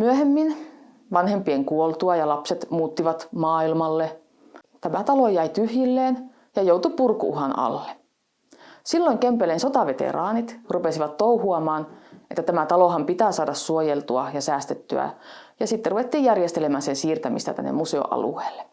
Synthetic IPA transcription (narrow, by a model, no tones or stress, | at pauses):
myøhemːin | ʋɑnhempieŋkuolt̪uɑjɑlɑpset̪muːt̪ːiʋɑt̪mɑːilmɑlːe | t̪æmæt̪ɑlojæit̪yhjilːeːn | jɑjouwt̪upurkuuɦɑnɑ̰lːe | silːoiŋkempelensot̪ɑʋet̪ḛɾɑːnit̪rupesiʋɑt̪t̪ouhuɑmɑːnet̪ːæt̪æmæt̪ɑlohɑmpit̪æːsɑːdɑssuojelt̪uɑjɑsæːst̪et̪ːy̰æ̰jɑsit̪ːeruʋet̪ːiːjjærjest̪elemæːnsensiːrt̪æmist̪æ̰t̪æ̰nːḛmuseo̰ʔɑ̰lṵeːlːe̥